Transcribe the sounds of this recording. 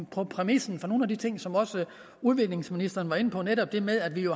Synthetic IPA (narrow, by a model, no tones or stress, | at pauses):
pʰɒ̽pʰʁɛmisn̩fɒno̝ːn̩æd̥it͡sʰe̝ŋ̰sɒ̽mɒ̽sə | uð̞ˠʋe̝ɡ̥le̝ŋsminisd̥ɐːnʋɑ̈e̝nəpʰɒ̽neɾɒ̽b̥d̥e̝meðˠæd̥ʋijo̝